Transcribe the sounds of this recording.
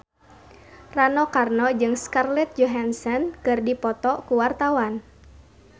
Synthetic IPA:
ranɔkarnɔd͡ʒɨŋskarlɛt̪̚d͡ʒɔɦansɔnkɨrdipɔt̪ɔkuwart̪awan

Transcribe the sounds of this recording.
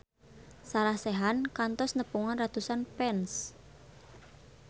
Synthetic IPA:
salahseɦankant̪ɔsnəpuŋɔnrat̪usanpɛns

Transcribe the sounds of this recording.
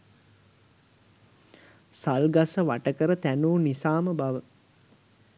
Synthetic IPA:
salɡasəʋaʈəkəɾət̪ænuːnisaːməbaʋə

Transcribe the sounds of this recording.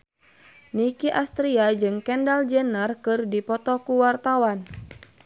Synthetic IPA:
nikiʔast̪ɾiad͡ʒɨŋkɛndald͡ʒɛnərkɨrdipɔt̪ɔkuwart̪awan

